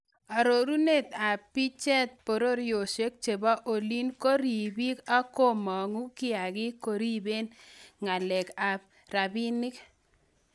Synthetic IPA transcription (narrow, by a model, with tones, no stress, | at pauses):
a˨ɾo˨ɾu˦ne˦t̪a˨pi˦t͡ʃɛ˦t̪̚po˨ɾo˦ɾjo˨ʃe˦k̚t͡ʃe˨ba˦ʔo˨li˦nko˦ɾi˨bi˦ka˦ko˦mɔ˨ŋu˦kɪ˦a˨ɡɪ˦ko˨ɾi˦be˦nŋa˨lɛ˨ka˨ | ɾa˨bi˦nɪ˦k